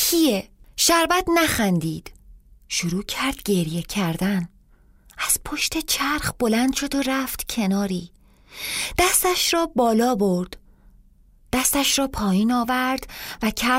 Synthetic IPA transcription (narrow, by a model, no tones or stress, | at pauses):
cʰijeʃæɾvæt̪næxænd̪iːd̪̥ʃuɾuːcʰæɾd̪̥̚ɟe̞ɾje̞cʰæɾd̪æn | æz̥pʰo̞ʃt̪e̞t͡ʃʰæɾχbo̞lænd̪ʃo̞d̪oɾæft̪cʰe̞nɒːɾiː | d̪̥æst̪æʃɾɒːbɒːlɒːboɾd̪̥ | æst̪æʃɾɒːpʰɒːjiːnɒːvæɾd̪̥væcʰæ